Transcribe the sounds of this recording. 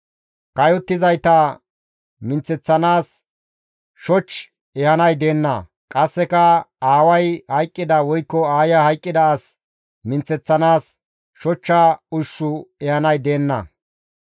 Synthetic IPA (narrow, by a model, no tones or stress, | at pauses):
kɐjɔt̪ːɪzɐjt̪ɐ | mɪnt͡sːɛt͡sːɐnaːs | ʃɔt͡ʃː | ɛhɐnɐjd̪e̞ːnːɐ̰ | kʼɐsːɛkɐaːwɐjhɐjkʼːɪd̪ɐwɔjkːɔaːjɐhɐjkʼːɪd̪ɐːs | mɪnt͡sːɛt͡sːɐnaːs | ʃɔt͡ʃːɐʊʃːʊɛhɐnɐjd̪eːnːɐ̰